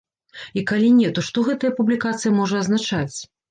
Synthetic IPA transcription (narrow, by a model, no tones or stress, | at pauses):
ikalʲinʲɛt̪ɔʂt̪ɔɣɛt̪ɐjɐpublʲikat̪sɨjɐmɔʐɐɐznat͡ʂat͡sʲ